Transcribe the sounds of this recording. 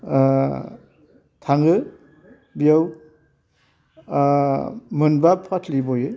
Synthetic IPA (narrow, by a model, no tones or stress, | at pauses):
tʰaŋɡɯ | bijaw | mɯnbapʰatʰlibojɯ